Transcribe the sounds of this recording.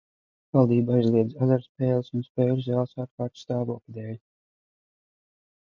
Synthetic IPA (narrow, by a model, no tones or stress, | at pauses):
vɑlˠd̪iːbajzlˠiɛzazaɾspɛːlˠsunspɛːlszʲæːlˠsaːɾkaːɾt̪st̪ɑːvuɔklʲid̪ɛːlʲ